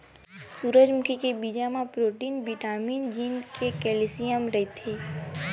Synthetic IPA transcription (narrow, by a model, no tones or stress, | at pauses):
suːɾəd͡ʒmʊkʰikebiːd͡ʒamãpɾoːʈiːnbiʈaːmiːnd͡ʒiːnkʰekɛːlisijəmɾɐɦit̪ʰeː